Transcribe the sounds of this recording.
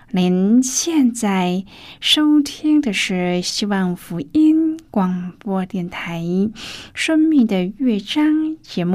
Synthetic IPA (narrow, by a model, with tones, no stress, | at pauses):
li˧˥nɕjɛ˥˧nt͡sa˥˩ɪ | ʂo˥ʊt̪ʰi˥ŋd̪ə˨ʂɻ̩˥˩ɕi˥wɑ˥˩ŋfu˧˥i˥nkwɑ˨˩ŋpwɔ˥t̪jɛ˥˩nt̪ʰa˧˥ɪʂə˥ŋmi˥˩ŋd̪ə˩ɥɛ˥˩ʈ͡ʂɑ˥ŋt͡ɕjɛ˧˥mu˥˩